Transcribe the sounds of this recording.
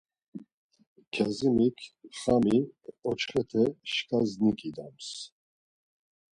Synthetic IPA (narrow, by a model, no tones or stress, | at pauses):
kʰazimikʰχamiɔt͡ʃχɛt̪ʰɛʃkʼaznikʼid̪ams